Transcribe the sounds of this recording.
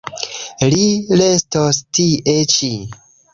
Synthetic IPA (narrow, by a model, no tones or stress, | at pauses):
lilestostiʔet͡ʃi